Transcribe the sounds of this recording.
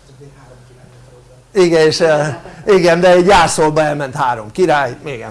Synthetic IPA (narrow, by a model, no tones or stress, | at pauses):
iɡɛneʃɛiɡɛnd̪ɛɛɟjaːsolbɒɛlmɛnt̪haːɾomkiɾaːjeɡɛ̰